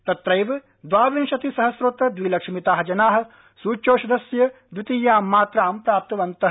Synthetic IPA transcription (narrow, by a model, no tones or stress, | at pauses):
t̪ɐt̪ɾɐjʋɐ | d̪ʋaːʋinʃɐt̪isɐɦɐsɾut̪ɐd̪ʋiːlɐkʂɐmit̪aːɦɐd͡ʒɐnaːɦɐ̆ | suːt͡ʃoːʃɐd̪ɐsjɐd̪ʋit̪ijaːmːaːt̪ɾaːmpɾaːp̚t̪ɐʋɐnt̪ɐɦ